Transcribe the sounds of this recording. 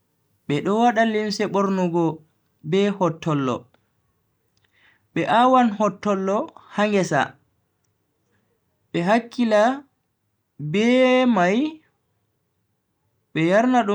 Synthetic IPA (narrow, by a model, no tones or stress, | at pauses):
ɓɛɗɔwaɗalinsɛɓɔɾnɔɡɔ | bɛhɔtʰːɔlːɔ̰ | ɓɛʔawanhɔtːɔlːɔhaŋɡɛsa̰ | ɓɛɦakːila | bɛmaj | ɓɛjaɾnaɗu